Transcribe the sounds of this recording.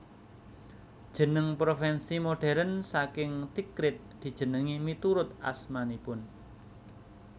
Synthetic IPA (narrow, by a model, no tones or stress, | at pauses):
d̥ʒ̥ə̤nəŋpɾofɛnsimoɖ̥ɛ̤ɾənsakɪŋt̪ikɾɪt̪̚d̪̥i̤̥ʒ̥ə̤nəŋimit̪uɾʊt̪a̰smanipʊn